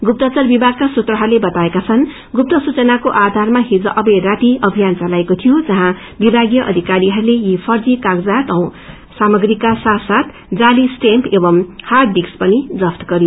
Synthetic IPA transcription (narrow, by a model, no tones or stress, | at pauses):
ɡup̚t̪ʌt͡sʌrbibʱaɡkasut̪rʌɦʌɾulebʌt̪aekat͡sʰʌn | ɡup̚t̪ʌsut͡sʌnakoʔad̪ʱarmaɦid͡zʌʔʌbʌjrat̪iʌbʱijant͡salaekot̪ʰijod͡zʌɦã | bibʱaɡjʌʔʌ̰d̪ʱikaɾiɦʌɾulejipʰʌrd͡zikaɡd͡zat̪ʌw̃ | samʌɡrikːasasat̪ | d͡zalisʈempʰebʌmhard̪ikspʌnid͡zʌpʰt̪ɡʌɾi